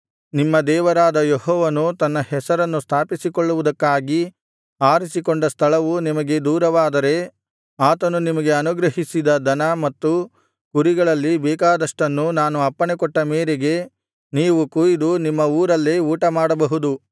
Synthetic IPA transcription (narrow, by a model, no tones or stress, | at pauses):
nimːɐd̪ɛːʋɐɾaːd̪ɐjehɔːʋɐnut̪ɐnːɐhɛsɐɾɐnːust̪ʰaːpisikoɭːuʋud̪ɐkːaːɡi | aːɾisikoɳɖɐst̪ʰɐɭɐʋunimɐɡe̞d̪uːɾɐʋaːd̪ɐɾe̞ | aːt̪ɐnunimɐɡe̞ɐnuɡɾɐɦisid̪ɐd̪ɐnɐmɐt̪ːu | kuɾiɡɐɭɐlːibɛːkaːd̪ɐʂʈɐnːunaːnuɐpːɐɳekɔʈːɐmeːɾeɡe̞ | niːʋukujid̪unimːɐuːɾɐlːeuːʈɐmaːɽɐbɐɦud̪u